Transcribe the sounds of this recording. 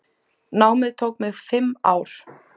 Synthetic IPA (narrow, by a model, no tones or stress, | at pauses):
naːwmɪðt̪ʰowkmɪɣfɪma̰ːwɾ̥